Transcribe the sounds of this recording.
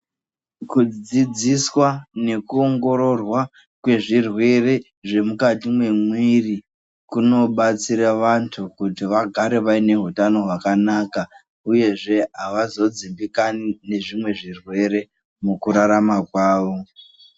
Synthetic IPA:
kud͡zid͡ziswane̞kuoŋɡo̞ɾo̞rwa | kwe̞ʐirwe̞re̞ | ʐe̞mukatimwe̞mwiri | kuno̞ɓat͡siɾaʋantʰukutiʋaɡʱaɾe̞ʋaine̞ɦutano̞ɦwakanaːka | uje̞ʐe̞ɦaʋazo̞d͡zimbikanine̞ʐimwe̞ʐirwe̞ɾe̞ | mukuɾaɾamakwaːʋo̞

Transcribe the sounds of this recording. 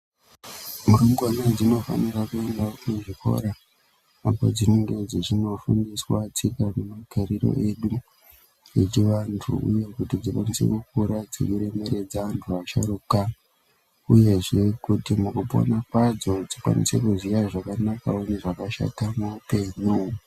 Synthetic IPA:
muɾuŋɡuaned͡zino̞fa̰nirakue̞ndakuʐiko̞̰ɾa | apo̞̰d͡zine̞ŋɡe̞d͡ziʐino̞fundiswat͡sikane̞maɡ̥ʱaɾiɾo̞̰ʔe̞ɗu | et͡ʃiʋantʰṵṵje̞kutid͡zikwanise̞̰kuk̚uɾad͡zḭkiɾe̞me̞ɾe̞d͡zaʋantʰuaʃa̰ɾuka | uje̞ʐe̞kutimukupo̰nakwad͡zo̞d͡zikwa̰nḭse̞kuzijaʐakanakaoneʐakaʃa̰tamuupe̞ɲu

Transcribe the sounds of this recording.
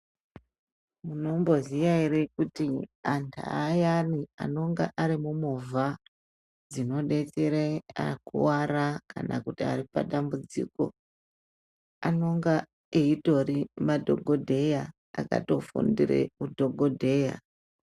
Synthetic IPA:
muno̞mbo̞ziʋaiɾekutiantʰa̰ːjania̰no̞ŋɡa̰ʔaɾimumuvʱa | d͡zino̞ɗe̞teɾeakṵwaɾakanakutiaripa̰ɗambud͡zḭko̞̰ | ano̞ŋɡa | eito̞rimadʱo̞̰ɡʱodʱe̞ja | aka̰to̞fṵndḭrḛudʱoɡʱodʱe̞ːja̰

